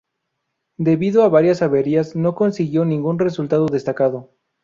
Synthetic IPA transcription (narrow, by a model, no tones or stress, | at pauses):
d̪e̞βiðoaβaɾjasaβe̞ɾiazno̞ko̞nsiɣjo̞nĩŋɡunre̞sult̪aðoðe̞st̪akaðo̞